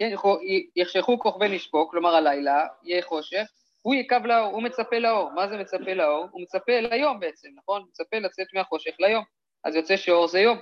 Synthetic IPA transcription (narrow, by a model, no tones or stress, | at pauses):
kenχojeχʃeχuko̞χbeniʃbo̞klo̞maʁalajlaijeχo̞ʃe̞χ | hujekavlao̞ʁumet͡sape̞lao̞ʁmazeme̞t͡sape̞lao̞ʁume̞t͡sape̞lajo̞mbeet͡se̞mnaχo̞nmet͡sape̞lat͡se̞tmeaχo̞ʃe̞χlajo̞m | ʔa̰zjo̞t͡se̞ʃeo̞ʁzejo̞m